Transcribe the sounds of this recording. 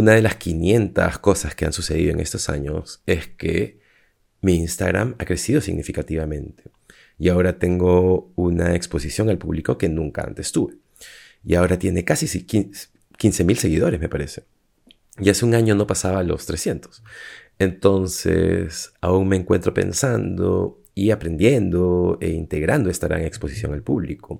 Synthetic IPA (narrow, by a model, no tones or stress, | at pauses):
unaðe̞laskinje̞nt̪a̰sko̞saskeansuseð̞ḭðoeŋe̞st̪o̞sa̰ɲo̞̰se̞skḛ | miinst̪aɣɾa̰makɾe̞siðo̞sḭɣnifikat̪iβamẽ̞nt̪e̞̥ | iao̞ɾat̪e̞ŋɡo̞unaekspo̞sisjo̞ŋalpuβliko̞ke̞nũŋkaa̰nt̪e̞st̪uβe̞ | iao̞ɾat̪je̞ne̞kasisiki | kinse̞milse̞ɣið̞o̞ɾezmepaɾe̞se | jaseuŋaɲo̞no̞pasaβalo̞̰st̪ɾe̞sje̞nt̪o̥s | ent̪o̞nsḛsauŋme̞ːŋkwe̞nt̪ɾo̞pe̞̰nsand̪o̰ | iapɾe̞nd̪je̞nd̪o̞ḛint̪e̞ɣɾand̪o̞e̞st̪aɣɾa̰ŋe̞kspo̞sisjo̞ŋalpuβliko